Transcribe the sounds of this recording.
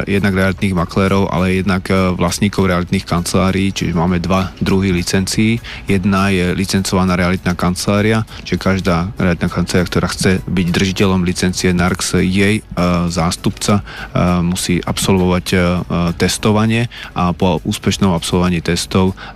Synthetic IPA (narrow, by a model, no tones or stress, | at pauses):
jɛd̪naɡɾɛalit̪niːɣmaklɛːɾɔʊʔa̰lɛjɛd̪nakʋlasɲiːkɔʊɾɛalit̪niːxkant͡sɛlaːɾiːt͡ʃiʒɛmaːmɛd̪ʋad̪ɾuɦilit͡sɛnt͡siːjɛd̪najɛlit͡sɛnt͡sɔʋanaːɾɛalit̪naːkant͡sɛlaːɾiat͡ʃiʒɛkaʒd̪aːɾɛ̰alit̪nakant͡sɛlaɾiak̚t̪ɔɾaːxt͡sɛbiɟd̪r̩ʒicɛlɔmlit͡sɛnt͡siɛnaɾksjɛjzaːst̪upt͡samusiːʔapsɔlʋɔʋact̪ɛst̪ɔʋaɲɪɛʔapɔuːspɛʃnɔmapsɔlʋɔʋaɲiːt̪ɛst̪ɔʊ